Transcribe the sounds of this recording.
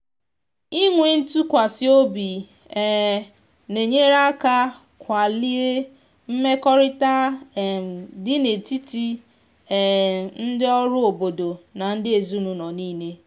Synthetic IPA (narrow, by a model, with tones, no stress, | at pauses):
i˦ŋʷe˨n̩˦tu˦kʷa˨sɪ˦o˦bi˨ | ɛ˦˨ | ne˨ɲe˦ɾa˦ka˦ | kʷa˨li˦e˦ | m̩˦me˦kɔ˦ɾɪ˦ta˦˨ | dɪ˦ne˨ti˦ti˦˨ | n̩˦dɪ˦ɔ˦ɾʊ˦o˨bo˨do˨na˨n̩˦dɪ˦e˨zu˦nu˨nɔ˨niː˦ne˦